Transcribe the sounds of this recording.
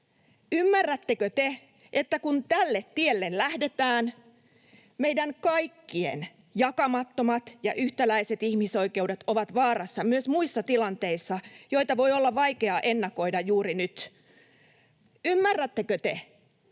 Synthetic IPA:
ymːærːæt̪ːekøt̪e | ʔet̪ːækunt̪ælːet̪tielːellæhde̞t̪æːn | meijdæŋkɑjkːiḛn | jɑkɑmɑt̪ːo̞mɑt̪jɑ̰ʔyht̪ælæiset̪ihmiso̞ike̞uwdet̪o̞ʋɑt̪ʋɑːɾɑsːɑmyøsmuisːɑt̪ilɑnt̪e̞isːɑjo̞it̪ɑʋo̞jo̞lːɑʋɑikeɑʔe̞nːɑko̞idɑjuːɾinyt̪ | ymːærːæt̪ːekøt̪e

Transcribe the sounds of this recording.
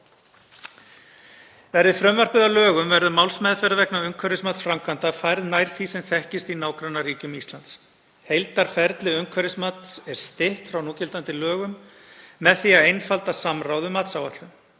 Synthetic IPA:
vɛɾðɪfɾœmvœr̥pɪðalœːɣʏmvɛɾðʏmawlsmɛːðfɛɾavɛknaʏŋkʰvɛɾɪsmat̪sfɾamkʰant̪afajɾðnajɾ̥θisɛmθɛhcɪst̪inaːwkɾanːariːcʏmist̪ant̪s | hejlt̪aɾ̥fɛɾt̪lɪʏŋkʰvɛɾɪsmat̪sɛɾ̥st̪ɪht̪fɾawnuːcɪlt̪ant̪ɪlœːɣʏmː | ɛðθiaðejnfalt̪asamrawðʏmaːt̪sawva̰ht̪lʏm

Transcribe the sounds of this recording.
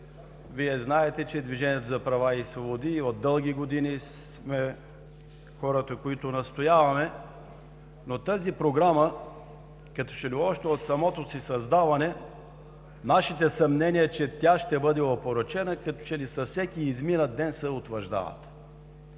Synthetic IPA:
viɛznaɛt̪ɛt͡ʃɛd̪viʒɛnʲiət̪ozɐpɾɐvaisvobod̪iod̪ːɤlˠɡ̟iɡod̪inis | mɛ | xɔɾət̪əkoit̪ʊnɐst̪ojavɐmɛ | not̪azipɾoɡɾamə | kɐt̪ɔ̥t͡ʃɛliɔʃt̪ɛot̪sɐmɔt̪osisɐzd̪avɐnɛ | naʃit̪ɛsɐmnɛniət͡ʃɛt̪ʲaʃt̪ɛbɤd̪ɛɐpoɾət͡ʃɛnəkɐt̪ɔ̥t͡ʃɛlisɐfsɛkiːzminəd̪̚d̪ɛnsɛot̪vəɾʒd̪a̰vɐ̰t̪

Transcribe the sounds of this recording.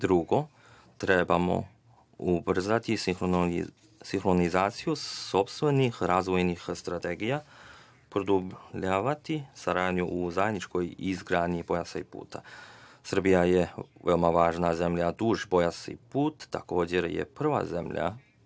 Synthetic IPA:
d̪ɾuɡo̞ | t̪ɾe̞bamo̞̰ | ubr̩zat̪ixo | siŋxɾo̞nizaːt̪sijuso̞pst̪ʋe̞nixɾazʋo̞jnixst̪ɾat̪eɡija | pɾod̪ubʎaːʋat̪isaɾaːd̪ɲuʔuzajed̪nit͡ʃko̞jizɡɾaːd̪ɲibo̞jasaipṵːt̪ʰa̰sr̩bijajeʋeomaʋaːʒnaze̞mʎad̪uːʒbo̞jasḭpuːt̪ːa̰ko̞ːd͡ʑe̞ɾjḛpr̩ʋa̰ze̞mʎa̰

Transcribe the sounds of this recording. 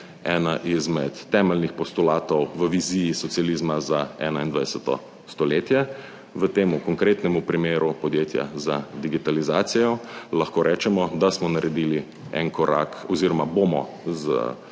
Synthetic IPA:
ɛnaʔizmɛt̪ːɛːmɛlnixpɔst̪ulaːt̪ɔwʋəʋizijːsɔt̪sialiːzmazaɛ̰ːnaind̪ʋajsɛt̪ɔ̰ | st̪ɔleːt̪jɛ | ʋət̪eːmukɔŋkɾeːt̪nɛmupɾimeːɾupɔd̪jeːt̪ja̰zad̪iɡit̪alizaːt̪sijɔlɐxkoːɾʔɛːt͡ʃɛmɔd̪asmɔnaɾʔɛd̪iːli | ɛ̰nkɔɾa̰kɔziːɾɔmabomɔ̰ | zə̰

